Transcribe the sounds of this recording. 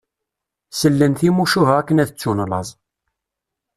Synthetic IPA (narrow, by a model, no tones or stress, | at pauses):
səlːənθimuʃuvæækːənæðət͡sːunlɑzˤ